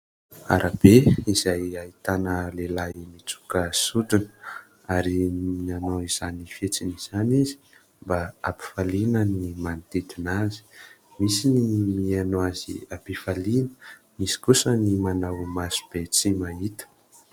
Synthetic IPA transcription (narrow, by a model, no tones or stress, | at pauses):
a̰ɾʔab̥eizajait̪anəlelaimit͡su̥kəsuɖ͡ʐinə̥ | aɾiianowiz̥anifet͡siniz̥anizi | mbaapi̥falinənimanit̪et̪inazi̥ | misinimianoazḭapifalinə̥ | misi̥kusənimanawmasu̥b̥et͡simaɦit̪ə̥